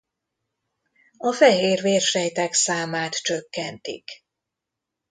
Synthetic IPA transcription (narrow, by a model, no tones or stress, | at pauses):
ɒfɛɦeːrveːrʃɛjt̪aːksaːmaːt̪t͡ʃøkːɛnt̪ḭk